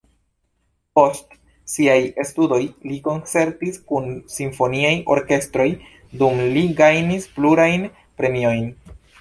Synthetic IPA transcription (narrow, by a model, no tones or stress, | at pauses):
po̞st | siaje̞studo̞jliko̞nt͡se̞ɾtiskunsiɱfo̞niajʔo̞̰ɾke̞stɾo̞j | dumliɡajnispluɾajn | pɾe̞mio̞jn